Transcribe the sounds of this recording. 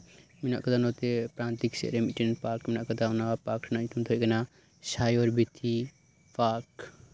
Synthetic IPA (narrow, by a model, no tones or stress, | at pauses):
mina̰ʔkɐd̪anot̪epɾaːnt̪iksḛɾemiʈennpaːkminaʔkəd̪aunapakʈʰnait̪ʰunt̪ʰoɡɐna | sajoɾbit̪ʰi | pak